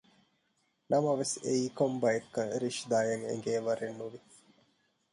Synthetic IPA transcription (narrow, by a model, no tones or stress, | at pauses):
nɐmɐʋesḛiːkombɐjekːɐɾiʃd̪aːjɐŋḛŋɡeːʋɐɾenːuʋi